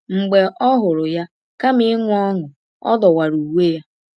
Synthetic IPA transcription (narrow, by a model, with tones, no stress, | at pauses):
ŋ͡m̩˨ɡ͡be˨ʔɔ˦ɦʊ˨ɾʊ˨ja˦ | ka˦mɪ˦ŋʷʊ˦ɔ˦ŋʊ˨ | ɔ̰˦dɔ˨wa˨ɾu˨we˦ja˦